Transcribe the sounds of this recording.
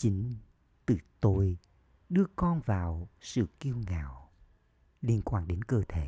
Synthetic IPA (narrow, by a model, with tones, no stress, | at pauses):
t͡ɕi˨˦ŋ | t̪ɨ˨˧˩t̪o˧j | ɗɨ˧əkɔ˧nvaː˨˩wsɨ̰˧˨ki˧əwŋa̰ː˧˨w | li˧ənkwaː˧nɗe˨˦nkəː˧t̪ʰe˧˩˦